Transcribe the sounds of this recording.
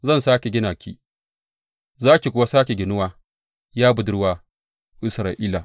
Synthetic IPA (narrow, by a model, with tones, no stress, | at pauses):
zɐ˦˨nsaː˦kʲe˨ɡʲɪ˦naː˨kʲʰḭː˦ | zaː˦kʲi˨kʷʊ˦wa˦saː˦kʲe˨ɡʲɪ˨nʊ˦waː˦ | jaː˦bʊ˨dʊ˦rwaː˦ | ʔɪ˦sɾaː˨ʔiː˦la˨